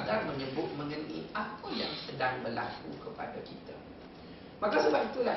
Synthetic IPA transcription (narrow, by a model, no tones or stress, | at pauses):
ɡarmə̃ɲə̃bʊt̪̚mə̃ŋənʔḭapajaŋsədaŋbərla̰kukəpa̰dakit̪a | makasəbap̚it̪ula